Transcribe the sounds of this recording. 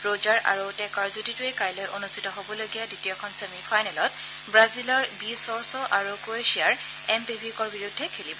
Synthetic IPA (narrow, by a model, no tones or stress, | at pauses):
ɹod͡ʒaɹʔa̰ɹutɛkɔɹzutitʊejkajlɔjʔonustʰitɔɦobɔlojɡijaditiɔkʰɔnsemipʰajnɛlɔt̚ | bɹazilɔɹbisɔɹsɔʔaɹukoesiaɹ | ɛmpibʱikɔɹbiɹʊdʱːɛkʰelibɔ